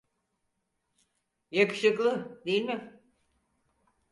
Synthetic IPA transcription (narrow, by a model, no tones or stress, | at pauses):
jakɯ̥ʃɯklˠɯd̪ejilʲmɪ